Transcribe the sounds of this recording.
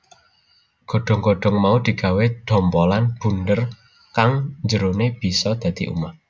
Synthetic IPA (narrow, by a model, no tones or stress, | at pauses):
ɡ̥o̤ɖ̥ɔ̤ŋɡoɖ̥ɔ̤ŋmaud̪̥i̤ɡ̥a̤wed̪̥ɔ̤mpɔlanb̥ṳnd̪ər | kaŋɲd͡ʒəɾoneb̥i̤sɔd̪̥ä̤d̪̥i̤ʔṵma